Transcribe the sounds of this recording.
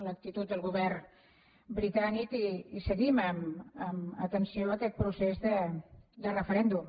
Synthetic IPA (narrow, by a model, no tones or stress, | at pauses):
lək̚t̪it̪ut̪̚d̪əlˠɣuβɛr | bɾit̪anikiːsəɣiməməmət̪ənsioəkɛt̪̚pɾusezðəd̪ərəfəɾɛnd̪um